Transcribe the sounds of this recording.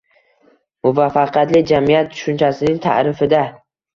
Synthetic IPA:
mʊvafːaqʰjat̪lɪd͡ʒamijat̪̚ːʰʊ̥ʃʊnt͡ʃʰasɪnɪŋt̪ʰa̰ɾɪfɪd̪a

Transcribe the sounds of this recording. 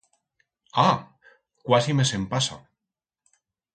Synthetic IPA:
a | kwasimesempasa̰

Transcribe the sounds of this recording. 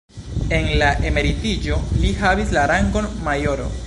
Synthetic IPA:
e̞nlaʔe̞me̞ɾitid͡ʒo̞liɦavislaɾaŋɡo̞nmajo̞ɾo̞̰

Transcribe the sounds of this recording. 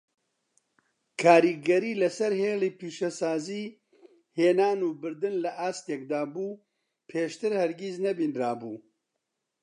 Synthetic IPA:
kʰaːɾiːɡɐɾiːlɐsɐɾheːliːpiːʃɛsaːziː | heːnaːnuːbɨɾd̪ɨnlɐʔaːst̪eːkd̪aːbuː | pʰeːʃt̪ɨɾhɐɾɡiːznɐbiːnraːbuː

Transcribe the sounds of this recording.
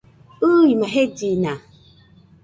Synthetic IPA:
ujimaɦed͡ʒina

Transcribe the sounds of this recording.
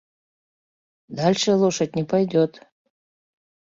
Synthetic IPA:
d̪alʲʃelˠoʃat̪̚ʲnʲipajd̪ʲot̪

